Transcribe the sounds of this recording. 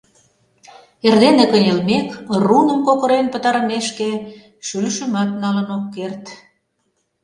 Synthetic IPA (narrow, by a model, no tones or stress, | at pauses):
erd̪enekənʲelmekrunəmkokə̆ɾenpət̪ɑɾəmeʃke | ʃylʃəmɑt̪̚nɑlənokːert̪